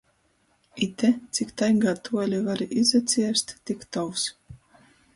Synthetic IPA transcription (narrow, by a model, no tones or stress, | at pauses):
it̪ɛt̪sikt̪ajɡaːt̪uɔlʲivaɾiʔizat̪sʲiɛst̪ʲt̪ikt̪ɔws